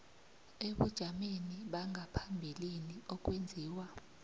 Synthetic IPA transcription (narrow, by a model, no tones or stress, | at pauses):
eɓṵd̥ʒ̥ʱameniɓaŋʱapʰambʱiliniɔk̬wend͡zʱiːwa